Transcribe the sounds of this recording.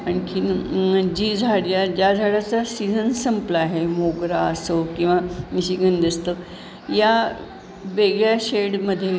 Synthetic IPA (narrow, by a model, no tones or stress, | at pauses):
ənkʰind͡ʑiːd͡zʱaɽjad͡ʑad͡zʱaɽat͡sasid͡zʱənsəmplaɦemoɡɾaəsokĩw̃ʋamiɕiɡənd̪əst̪ə | ja | ʋeɡɭjaɕeɽməd̪ʱːje